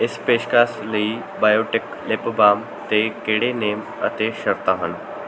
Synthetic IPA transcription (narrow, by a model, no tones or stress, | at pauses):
espeɕkaslii | bajoʈɪk | lepbam | t̪ekeɽenem | ə̰t̪eɕəɾt̪aɦən